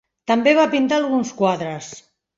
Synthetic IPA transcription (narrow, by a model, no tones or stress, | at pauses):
t̪ambeβapint̪aːlˠɣunskwaðɾəs